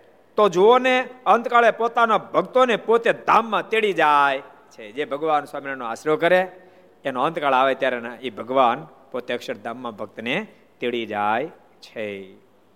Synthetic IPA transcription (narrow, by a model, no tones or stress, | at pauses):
t̪od͡ʒooneənt̪kaːɭepoːt̪anabʱəɡt̪onepot̪ed̪ʱaːmːãt̪eɭid͡ʒaːj | t͡ʃʰed͡ʒebʱəɡʋaːnswaːminanõaːsɾokəɾe | enoə̃nt̪kaːɭaːʋet̪jaːɾenaibʱəɡʋaːn | pot̪eəkʃəɾd̪ʱãːmːãbʱəɡ̚t̪ne | t̪eɭid͡ʒaːj | t͡ʃʰe